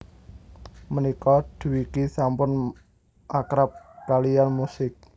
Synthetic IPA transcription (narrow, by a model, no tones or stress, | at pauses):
mənikɔd̪̥ṳwikisampʊn | ʔakɾap̚kalijanmusɪk̚